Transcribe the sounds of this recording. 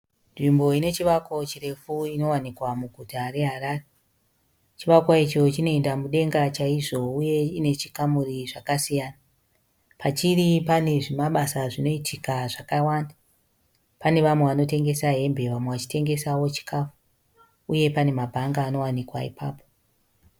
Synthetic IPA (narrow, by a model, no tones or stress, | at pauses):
nʐimbo̞ine̞t͡ʃiʋakwot͡ʃire̞fuino̞wanikwamuɡʱutare̞ɦaɾaːre | t͡ʃiʋakwait͡ʃo̞t͡ʃino̞endamuɗe̞ŋɡat͡ʃaiʐo̞uje̞ine̞t͡ʃikamuriʐakasijaːna | pat͡ʃiripane̞ʐimaɓasaʐino̞itʰikaʐakawaːnda | pane̞ʋamwe̞ʋano̞te̞ŋɡe̞saɦe̞mbe̞ʋamweʋat͡ʃi̥te̞ŋɡe̞sawo̞t͡ʃi̥kaːfu̥ | uje̞pane̞mabʱaŋɡaːno̞wanikwa̰ḭpʰaːpo